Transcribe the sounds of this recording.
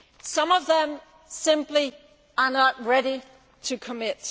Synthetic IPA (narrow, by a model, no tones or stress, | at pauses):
sʌ̃mʌvðə̃m | sɪ̃mpli | ənət̚ɹɛɾi | ɾʰɨkʰəmɪt̚